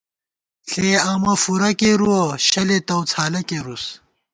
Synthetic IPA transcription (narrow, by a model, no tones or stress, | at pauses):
ɬeːɐmɐfuɾɐkeɾuwoɕɐlet̪ɐwt͡sʰaːlɐkeɾus